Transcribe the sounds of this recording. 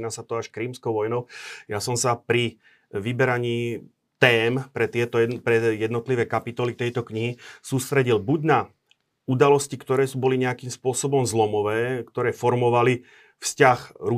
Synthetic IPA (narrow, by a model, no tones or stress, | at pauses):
nasat̪ɔaʃkɾiːmskɔʊʋɔjnɔʊjasɔmsapɾi | ʋibɛɾaɲiː | t̪ɛːmpɾɛt̪ɪɛt̪ɔpɾɛjɛd̪nɔt̪liʋɛːkapit̪ɔlit̪ɛjt̪ɔkɲiɦisuːst̪ɾɛɟilbuɟna | ud̪alɔscikt̪ɔɾɛːbɔliɲɛakiːmspʊɔsɔbɔmzlɔmɔʋɛːkt̪ɔɾɛːfɔɾmɔʋali | fscaxɾu